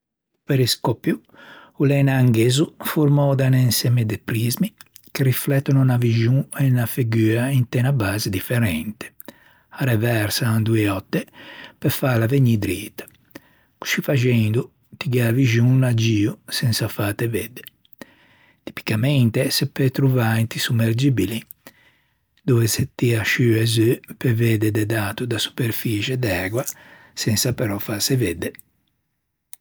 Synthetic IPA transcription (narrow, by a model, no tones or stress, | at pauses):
peɾiskɔpju | ulɛnaːŋɡeːzufuɾmɔd̪anɛnsɛmed̪epɾizmikeɾiflɛt̪ːɔnunaviʒuɛnafiɡyːaint̪ɛnabaːzed̪ifɛɾɛnt̪e̥ | aɾɛvɛɾsand̪uɛɔt̪ːepɛfalaveɲid̪ɾiːt̪ḁ | ku̥ʃifaʒɛnd̪u | t̪iɡaviʒunad͡ʒiːusɛnsafat̪ɛved̪ːe | t̪i̥pi̥kamɛnt̪esɛpːɛt̪ɾuvaint̪isumːeɾd͡ʒibili | d̪ɔvɛsɛt̪ːiaʃyɛzøpɛved̪ɛd̪ɛd̪aːt̪ud̪asu̥peɾfit͡ʃɛd̪ɛːɡwa | sɛnsapɛɾɔfasɛved̪ːe